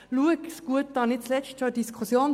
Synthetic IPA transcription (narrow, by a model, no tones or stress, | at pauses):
luəksɡ̥uət̪̚d̥ɑːnɪt̚t͡slɛt͡ʃtʃodiskʰusjoːn